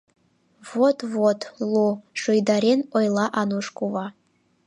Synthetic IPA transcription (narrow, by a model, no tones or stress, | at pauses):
votʰʼvotʰlˠuʂojd̪aɾenojlˠaʔanuʂkʷʼuva